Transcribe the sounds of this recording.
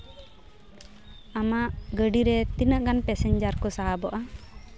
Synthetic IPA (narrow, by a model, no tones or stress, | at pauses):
amaʔɡəɖiɾɛt̪inəʔɡanpɛsɛɲd͡ʒaɾkɔsaabɔʔa